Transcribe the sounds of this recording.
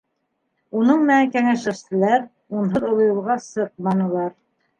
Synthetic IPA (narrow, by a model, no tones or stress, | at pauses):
unɤɴmɘnækæŋæʃɘ̆ʃt̪ɘ̆læɾ | unɦɤðŏlˠɤ̆jɤ̆lˠʁɑsɤq̚mɑnɤ̆lˠɑɾ